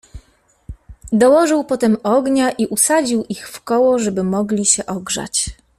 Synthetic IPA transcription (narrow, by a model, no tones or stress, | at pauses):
d̪ɔwɔʐɘwpɔt̪ɛmɔɡɲaʔiʔusad͡ʑiwʔixfkɔwɔʐɛbɘmɔɡlʲiɕɛʔɔɡʐa̰t͡ɕ